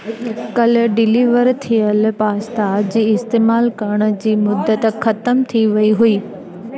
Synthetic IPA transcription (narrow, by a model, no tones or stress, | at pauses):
kɐlɖɪliːʋəɾt̪ʰijəlpaːst̪aːd͡ʑiːɪst̪eːmaːlkɐɾəɽ̃ə̆d͡ʑiːmʊd̪ːət̪xʰɐt̪əmt̪ʰiʋɐiɦuiː